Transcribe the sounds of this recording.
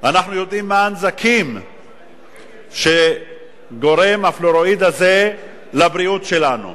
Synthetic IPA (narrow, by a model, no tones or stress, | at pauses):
anaχnujo̞d̪imːaːnzakʰim | ʃe̞ | ɡo̞ɾe̞mafloɾo̞id̪aze̞ | labɾiut̪ʃe̞lanṵ